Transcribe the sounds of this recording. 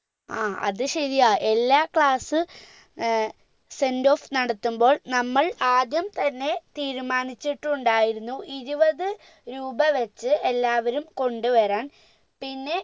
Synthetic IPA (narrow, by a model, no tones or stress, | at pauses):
aːɐ̰ðɨɕɐðijaːʔe̞lːaːkɭaːsɨ | se̞ndo̞ːfnɐɽɐt̪ːumbo̞ːɭnɐmːɐɭaːd̪jɐmt̪ɐnːe̞t̪iːɾumaːnit͡ɕːiʈːuɳɖaːjiɾunːuʔiɾubɐðɨ | ɾuːbɐʋɐt͡ɕːɨelːaːʋɐɾumko̞ɳɖuʋɐɾaːɳ | pinːe̞